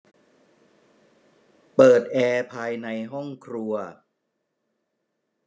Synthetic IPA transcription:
pɤː˨˩t̪̚ʔɛː˧pʰaː˧jna˧jɦɔ˥˩ŋkʰɾu˧ɐ

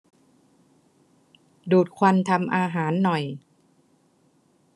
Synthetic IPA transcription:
duː˨˩t̪̚kʰwa˧nt̪ʰa˧mʔaː˧ɦaː˩˦nːɔ˨˩j

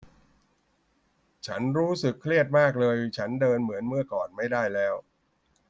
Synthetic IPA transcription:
t͡ɕʰa˦˥nɾuː˦˥sɯ˨˩kʰːli˥˩ət̪̚maː˥˩k̬̚lɤː˧jt͡ɕʰa˦˥ndɤː˧nmɯ˩˦ənmɯ˥˩ɐkɔː˨˩nma˥˩jdaː˥˩jlɛː˦˥w

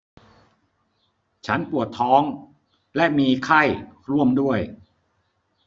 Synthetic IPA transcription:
t͡ɕʰa˦˥npu˨˩ət̪ʰːɔː˦˥ŋ | lɛ˦˥ʔmiː˧kʰa˥˩jɾu˥˩əmdu˥˩əj

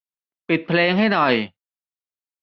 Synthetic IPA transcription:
pi˨˩t̪̚pʰleː˧ŋɦa˥˩jnɔ˨˩j

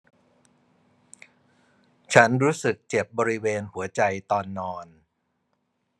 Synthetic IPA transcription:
t͡ɕʰa˦˥nɾuː˦˥sɯ˨˩k̚t͡ɕe˨˩p̚bɔː˧ɾi˦˥weː˧nhu˩˦ɐt͡ɕa˧jt̪ɔː˧nːɔː˧n

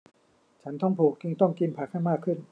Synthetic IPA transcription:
t͡ɕʰa˦˥nt̪ʰɔ˥˩ŋpʰuː˨˩k̚t͡ɕɯ˧ŋt̪ɔ˥˩ŋki˧npʰaː˨˩k̚ha˥˩jmaː˥˩kʰːɯ˥˩n

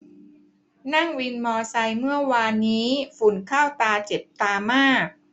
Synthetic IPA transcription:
na˥˩ŋwi˧nmɔː˧sa˧jmɯ˥˩ɐwaː˧nːiː˦˥fu˨˩nkʰaː˥˩wt̪aː˧t͡ɕe˨˩p̚t̪aː˧maː˥˩k̚

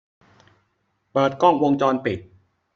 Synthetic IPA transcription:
pɤː˨˩t̪̚kɔ˥˩ŋwo˧ŋt͡ɕɔː˧npi˨˩t̪̚

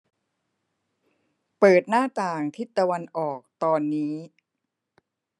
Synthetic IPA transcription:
pɤː˨˩t̪̚naː˥˩t̪aː˨˩ŋt̪ʰi˦˥˩t̪ːa˧wa˧nʔɔː˨˩k̚t̪ɔː˧nːiː˦˥

